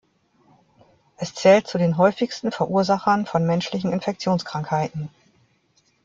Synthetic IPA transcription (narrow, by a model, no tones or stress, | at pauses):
ʔɛst͡sɛːlt̚t͡sudeːnɦɔʏfɪçstn̩fɛɐʔuːɐzaχɐnfɔnmɛnʃlɪçn̩ɪnfɛk̚t͡sjoːnskʁ̥aŋkhaɪtn̩